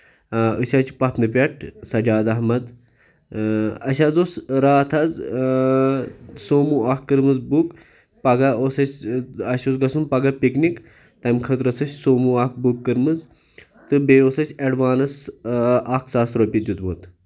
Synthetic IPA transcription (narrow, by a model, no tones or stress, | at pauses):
əʃʲaːt͡ʃpɐt̪nɨpʲɐʈʰsɐd͡ʒaːd̪ɐɦmɐd̪ | ɐʃ̬ʲazosɾaːt̪ʰɐz | soːmuaːkːɨɾmɨzbuk | pɐɡɐoːsɐsʲɐʃosɡɐsunpɐɡɐpiknik | t̪ɐmkʰɐt̪ɾɐsɐsʲsoːmuaːk̚bukːɨɾmɨz | t̪ɨbeoːsɐsʲɐɖʋaːnɐs | aːkʰsaːsɾopʲid̪ʲjut̪moːt̪